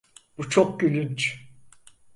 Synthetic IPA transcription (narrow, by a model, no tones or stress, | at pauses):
b̥ut͡ʃʰok̚ɟylynt͡ʃ